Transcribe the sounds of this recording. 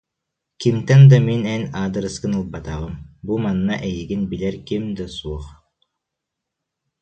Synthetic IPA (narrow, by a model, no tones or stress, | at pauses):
kimt̪ɛnd̪aminɛnaːd̪ɯɾɯskɯnɯlˠbat̪aʁɯmbumanːaʔɛjiɡinbilɛɾkimd̪asuɔχ